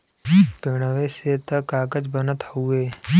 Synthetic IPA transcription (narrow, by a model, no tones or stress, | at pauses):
peɽ̃əʋeset̪əkaːkəd͡ʒbənət̪ɦueː